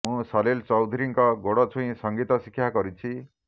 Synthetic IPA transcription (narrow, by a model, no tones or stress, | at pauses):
mũsʌlelt͡sɔwd̪ʱuɾiŋkɔɡoɽɔt͡sʰuj̃sʌŋɡit̪ʌsikʰːjaɡʌɾit͡sʰi